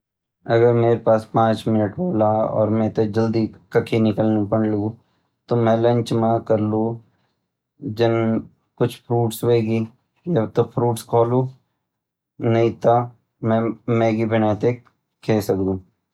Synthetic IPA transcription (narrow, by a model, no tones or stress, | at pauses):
ɐɡəɾmeːɾepaːspãːt͡ʃmɪnəʈboːlaɔ̰ːɾmɛ̃t̪od͡ʒɐld̪ikɐkʰinɪkəlnũpɐɳləɡu | t̪omɛ̃lɐ̃ɲt͡ʃmãkɐɾlũ | d͡ʒɐn | kʊt͡ʃʰpʰɾuːʈsʋeːɡiː | jat̪opʰɾuːʈskʰoːlũː | nɐɦĩt̪ʰa | mɛ̃mɛ̃ːɡibɪnaːt̪e | kʰeːsɐkd̪ũː